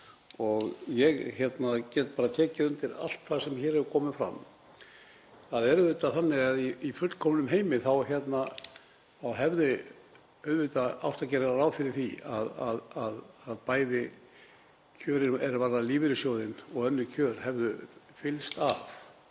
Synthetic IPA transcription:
ɔɣjɛɣçɛt̪nacɛːt̪̚paːɾat̪ʰɛːcɪʏnt̪ɪɾa̰l̥t̪θasɛmçɛːɾɛvkʰɔːmɪfɾa̰m | θaðɛɾvet̪aθanːɪɣaðiifʏt̪l̥kʰɔmnʏmɦeːjmɪθawçjɛt̪na | awɦɛvðɪ | œɥðvɪt̪aa̰wht̪acɛɾaaɾawfɪɾɪɾ̥θia̰ðaðaðaðpaːjðɪ | cʰœːɾɪnɛɾvaɾðaliːvɪɾʏsjoːwðɪnɔɣœnːʏcʰœːɾ̥hɛvðʏ | fɪlst̪af

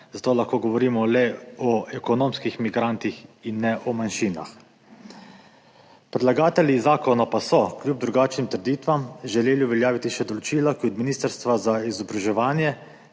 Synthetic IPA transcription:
zat̪oːlaxkoːɡɔʋɔɾiːmɔlɛɔʔɛkɔnoːmskixmiɡɾaːnt̪ixinːɛʔɔmanʃiːna̰x | pɾɛd̪laɡaːt̪ɛljizaːkɔnapasɔkljuːb̚d̪ɾuɡaːt͡ʃnimt̪əɾd̪iːt̪ʋamʒɛleːliuʋɛljaːʋit̪iʃɛd̪ɔlɔt͡ʃiːlakjut̪miniːst̪əɾst̪ʋazaizɔbɾaʒɛʋaːnjɛ

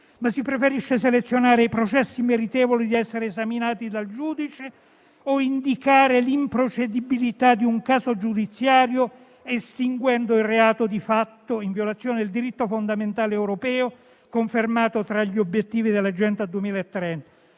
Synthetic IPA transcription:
masipɾefeɾiʃːeselet̪sːjonaːɾeipɾot͡ʃɛsːimeɾit̪ɛːvolid̪iɛsːeɾeːzaminaːt̪id̪ald͡ʒuːd̪it͡ʃe | oind̪ikaːɾelimpɾot͡ʃed̪ibilit̪ad̪iuŋkaːzod͡ʒud̪it̪sːjaːɾjo | est̪iŋɡwɛnd̪oilreaːt̪od̪ifat̪ːoiɱviolat̪sːjoːneild̪iɾit̪ːofond̪ament̪aːleɛwɾopɛːo | koɱfermaːt̪ot̪ɾaʎːiobjet̪ːiːvid̪elːad͡ʒɛnt̪ad̪uemiːlaet̪ːɾɛnt̪ḁ

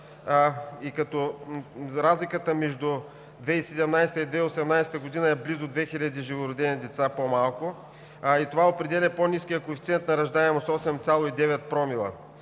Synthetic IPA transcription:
ikɐt̪ɔ | ɾazlikət̪əmɛʒd̪ʊ | d̪vɛisɛd̪ɛmnajsɛt̪əid̪vɛiosɛmnajsɛt̪əɡod̪inɐɛblizʊd̪vɛxilʲɐd̪iʒivʊɾʊd̪ɛnid̪ɛt̪sapomalˠkʊ | it̪ovaopɾɛd̪ɛlʲɛponiskijəkoɛfʲit̪siɛnt̪nɐɾɐʒd̪aɛmosɔsɛmt̪salˠoid̪ɛvɛt̪̚pɾɔmilˠɐ̰

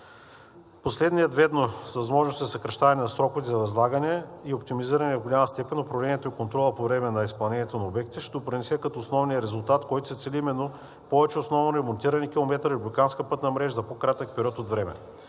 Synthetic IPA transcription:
poslɛd̪nijəd̪vɛd̪nosvɐzmɔʒnost̪izsɐkɾɐʃt̪avɐnɛnɐsɾɔkʊvt̪izɐɾɐzlˠaɡɐnɛiop̚t̪imiziɾɐnɛvɡolʲamɐst̪ɛpɛnʲopɾovlɛniɛt̪oikont̪ɾɔlˠəpovɾɛmɛnɐispɐlˠnɛnʲjɛt̪onɐobɛk̚t̪iʃt̪ɛd̪opɾinɛsɛkɐt̪oːsnɔvnijəɾɛzʊlˠt̪at̪kɔjt̪ʊ̥sɛt̪sɛlʲiimɛnːo | pɔvɛt͡ʃɛosnɔvnoɾɛmont̪iɾɐnikʲilˠomɛt̪ɾəiblik̪anskəpɤt̪nɐmɾɛʒəzɐpokɾat̪ək̚pɛɾʲiɔt̪ot̪vɾɛmɛ̰

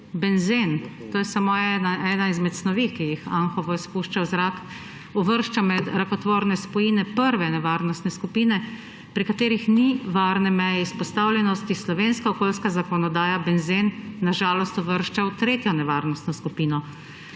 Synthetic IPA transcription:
bɛnzent̪oːjɛsamoɛnaɛːnaizmɛt̪snɔʋikijixaŋxɔʋɔispuːʃt͡ʃawzɾak | ɔʋəɾʃt͡ʃamɛd̪ɾakɔt̪ʋoːɾnɛspɔjinɛpəɾʋɛnɛʋaːɾnɔst̪nɛskupiːnɛ | pɾikat̪eːɾixniʋaːɾnɛmɛjɛispɔst̪aːwlʲjɛnɔst̪islɔʋeːnskaɔkoːlskazakɔnɔd̪aːjabɛnzenːaʒaːlɔst̪ɔʋəɾʃt͡ʃawt̪ɾeːt̪jɔnɛʋaɾnɔst̪nɔskupiːnɔ

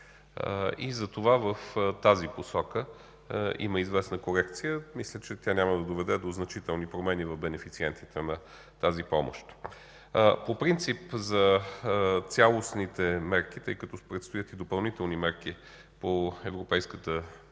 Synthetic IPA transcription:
ḭzɐt̪ovavəft̪aziposɔkə | ḭməizvɛsnəkoɾɛkt̪sijəmislʲət͡ʃɛt̪ʲjanʲaməd̪ɐd̪ovɛd̪ɛd̪oznɐt͡ʃit̪ɛlˠnipɾomɛnivɐvbɛnɛfit̪siɛnt̪it̪ʰɛnɐ | t̪azipɔmo̰ʃt̪ | popɾint̪sipzɐ | t̪sʲalˠosnit̪ɛmɛɾk̟it̪ɤjkɐt̪ɔpɾɛt̪st̪ʊjət̪id̪opɐlˠnit̪ɛlˠnimɛɾki | poɛvɾopɛjskət̪ə

